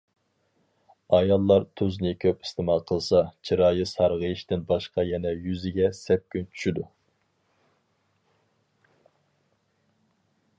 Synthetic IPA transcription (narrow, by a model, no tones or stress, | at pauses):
ɑjɑlˠːɑɾt̪ʰuznɨkʲʰøpi̥st̪ʰɨmɑqʰəlˠsɑt͡ʃʰiɾɑːjɨsɑɾʁəiʃt̪ɪnbɑʃqɑjɛnɛjyzɪɡʲɛsɛp̚kʲynt͡ʃʰy̥ʃyd̪u